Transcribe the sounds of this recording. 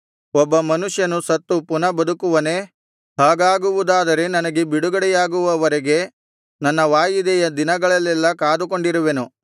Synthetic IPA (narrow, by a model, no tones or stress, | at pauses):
ɔbːɐmɐnuʂjɐnusɐt̪ːupunɐbɐd̪ukuʋɐne̞ | ɦaːɡaːɡuʋud̪aːd̪ɐɾe̞nɐnɐɡe̞biɽuɡɐɽɛjaːɡuʋɐʋɐɾeɡe̞ | nɐnːɐʋaːjid̪ɛjɐd̪inɐɡɐɭɐlːɛlːɐkaːd̪uko̞ɳɖiɾuʋe̞nu